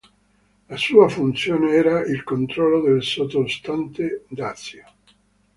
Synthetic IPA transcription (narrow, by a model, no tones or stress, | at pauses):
lasuːafunt̪sjoːneɛːɾailkont̪ɾɔlːod̪elsot̪ost̪ant̪ed̪at̪sjo